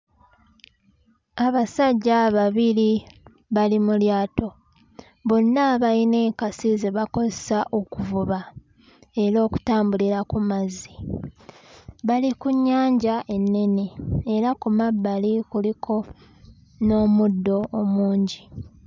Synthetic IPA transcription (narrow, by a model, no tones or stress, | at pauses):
aβasaɟːaβaβiɾi | βalimuljaːto̞ | βo̞nːaːβajine̞ːkasizeβako̞zesaʔo̞kuvuβa | e̞ɾo̞ːku̥taːmbuliɾakumazːi | βalikuɲːaːɲɟaʔe̞nːe̞neːɾakumabːalikulikʰo̞ | no̞ːmudːo̞ːmuːɲɟi